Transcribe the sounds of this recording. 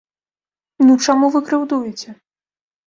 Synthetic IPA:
nut͡ʂamuvɨkɾɨwd̪ujɛt͡sʲɛ

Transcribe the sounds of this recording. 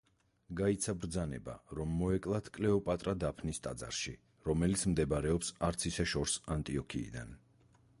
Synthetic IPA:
ɡait̪sʰabɾd̪zanɛ̰ba̰ɾɔmːɔɛkʼlˠat̪ʰkʼlɛɔpʼat̪ʼɾad̪apʰnist̪ʼad̪za̰ɾʃi | ɾɔmɛlit̪sʰmd̪ɛbaɾɛɔpsaɾt̪sʰisɛʃɔɾsant̪ʼiɔkʰḭːd̪an

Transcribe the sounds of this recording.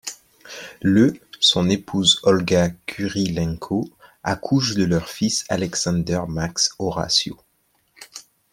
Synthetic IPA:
løsɔ̃nepʰuzɔlɡakʲʰyʁilɛ̃ŋkʰoakʰuʃd̪əlœʁfisalɛksɑ̃d̪œʁmaksɔʁa̰sjo̰

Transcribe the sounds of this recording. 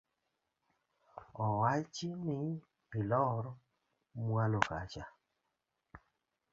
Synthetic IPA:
ɔwat͡ʃinɪ | pɪlɔɾ | mwaloka̰t͡ʃa

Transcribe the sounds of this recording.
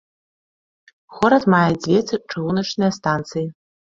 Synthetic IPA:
χʷʊɾatʰmajad͡zvʲet͡sʰɨʈ͡ʂʰɨwunɨʈ͡ʂʰnɨjastʰant͡sʰɨji

